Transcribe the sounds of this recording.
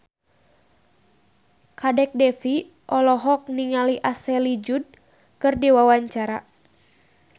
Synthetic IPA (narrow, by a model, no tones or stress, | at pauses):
kadɛk̚dɛfi | ʔɔlɔɦɔk̚niŋaliʔasɛlid͡ʒud̚ | kɨrdiwawaɲt͡ʃaɾa